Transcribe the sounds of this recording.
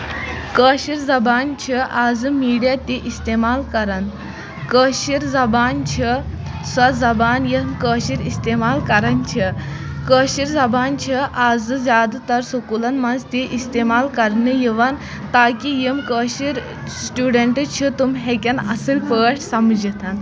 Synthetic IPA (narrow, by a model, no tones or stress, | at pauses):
kəːɕiɾzɐbaːnt͡ʃʰiʔaːzɨmiːɖijat̪iʔist̪eːmaːlkɐɾan | kəːɕiɾzɐbaːnt͡ʃʰisɐzɐbaːnjimkəːɕiɾist̪emaːlkɐɾɐnt͡ʃʰikəːʃiɾzɐbaːnt͡ʃʰiʔaːzɨzʲjaːd̪at̪ɐɾsokulɐnmɐnzt̪iʔist̪eːmaːlkɐɾnɨjiʋɐn | t̪aːkijimkəːɕiɾ | sʈuːɖeɳʈɨt͡ʃʰit̪umɦekʲɐnɐ̰sɨlʲpəːʈʰsɐmd͡ʒit̪ʰɐn